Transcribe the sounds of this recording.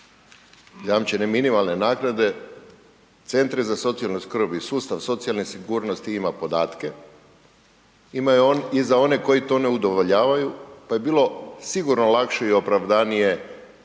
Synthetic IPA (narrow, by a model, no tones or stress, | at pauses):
jamt͡ɕeneminimalˠnenaːɡnad̪e̞ | t̪se̞nt̪ɾezaso̞t̪sialnoskr̩bisuːst̪aʋso̞t̪sialnisiɡuːɾnost̪iimapo̞d̪aːt̪ke̞ | imaizao̞ne̞ko̞jit̪o̞ːne̞ud̪o̞ʋo̞ʎaːʋajupaje̞biːlˠo̞siɡuɾnolakʃeio̞pɾaʋd̪anije̞